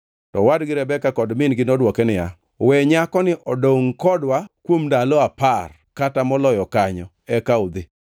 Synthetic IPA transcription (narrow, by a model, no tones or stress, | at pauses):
tɔwadɡɪɾɛbɛkakɔdmɪnɡɪnɔdwɔkɛnɪja̰ | wɛɲakɔnɪʔɔdoŋkɔdwakwomndalɔapar | katamɔlɔjɔkaɲɔ | ɛkaud̪ɪ